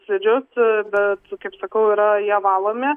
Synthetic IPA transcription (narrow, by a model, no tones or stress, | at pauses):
sʲɪd͡ʒʲʊsbʲɛt̪kɐɪpsɐkɐʊiɾɐjæːʋɑːlˠoːmʲe